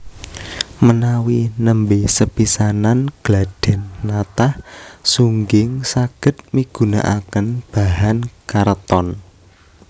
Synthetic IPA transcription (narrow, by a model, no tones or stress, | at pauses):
mənawinəmbesəpisananɡ̥laɖ̥ɛ̤nːat̪ahsuŋɡɪŋsaɡ̥ə̤t̪̚miɡ̥ṳna̰ʔakənb̥a̤ɦankaɾt̪ɔn